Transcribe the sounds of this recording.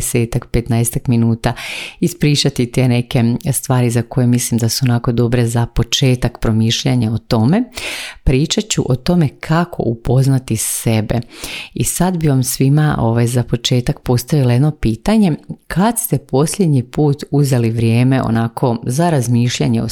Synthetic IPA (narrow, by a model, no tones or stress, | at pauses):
se̞ːt̪akpet̪naest̪akminuːt̪aispɾiːt͡ʃat̪it̪eneke̞st̪ʋaːɾizako̞jemislimd̪asuonako̞d̪o̞bɾe̞zapo̞t͡ʃe̞ːt̪akpɾo̞miːʃʎeɲaot̪o̞me̞pɾiːt͡ʃat͡ɕuʔo̞t̪o̞me̞kʰakʰo̞̰ʔupo̞znat̪isebḛisad̪biʋamsʋima̰o̞ʋajzapo̞t͡ʃe̞ːt̪akpo̞st̪aʋilajed̪no̞piːt̪aɲe̞kʰad̪st̪e̞po̞sʎe̞d̪ɲipuːt̪uze̞liʋɾjeːme̞ʔo̰nakʰo̞zaɾazmiːʃʎaɲeo̰